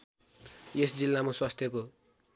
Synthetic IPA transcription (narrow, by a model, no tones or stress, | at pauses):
jesd͡zilːamaswast̪ʰjʌko